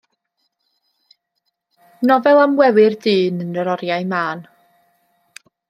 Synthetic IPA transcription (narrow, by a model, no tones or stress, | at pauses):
nɔvɛlˠamwɛwɪrdɨːnənəɾɔɾjajmaːn